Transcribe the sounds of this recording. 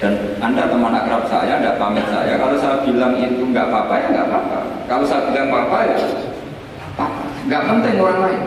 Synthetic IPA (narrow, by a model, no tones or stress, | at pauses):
d̥an | andaməmanakɾap̚sa̰jaːndapamɪnsa̰jakalosajab̥ilaŋit̪uŋɡaʔpapajaŋɡa̰ʔpapa̰kalosajab̥ilaŋpapaja | apapaŋɡaʔmənt̪ɪŋoɾaŋlaɪn